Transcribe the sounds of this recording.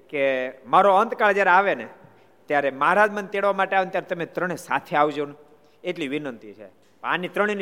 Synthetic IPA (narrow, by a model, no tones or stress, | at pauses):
kemaɾoənt̪kaɭd͡ʒjaɾeaʋene | t̪jaɾeməɦaɾad͡ʒmənt̪eɽʋamaʈeaʋent̪jaɾet̪əmet̪ɾəɽ̃esa̰t̪ʰeaʋd͡ʒon | eʈliʋinənt̪it͡ʃʰḛ | panit̪ɾəɽ̃in